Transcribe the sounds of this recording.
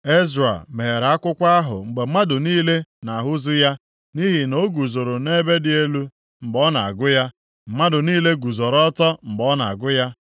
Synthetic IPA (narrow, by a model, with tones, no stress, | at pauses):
e˦zɾa̰˨me˨e˨ɾa˦kʷʊ˦kʷa˦ɦʊ̰˨ŋ͡m̩˨ɡ͡be˨˦ma˦dʊ˨niː˦le˦na˨ɦʊ˦zʊ˦ja˦ | ni˦ɦi˨no˦ɡu˨zo˨ɾo˨ne˦be˦dɪ˨e˦lu˦ | m̩˨ɡ͡bɔ˦na̰˨a̰˨ɡʊ˦ja˦ | m̩˨ma˦dʊ˨niː˦le˦ɡu˨zo˨ɾɔ˦tɔ˦m̩˨ɡ͡bɔ˨˦na̰˨a̰˨ɡʊ˦ja˦